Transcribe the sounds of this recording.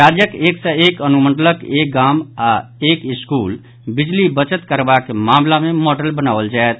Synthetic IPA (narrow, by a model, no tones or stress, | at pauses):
ɾad͡ʒjəkeːkseeːkənuməɳɖələkek̚ɡamaeːkɪskuːl | bid͡ʒlibət͡ʃət̪kəɾbakemaːmlamẽmɔɖəlbənaːʋəld͡ʒaet̪̚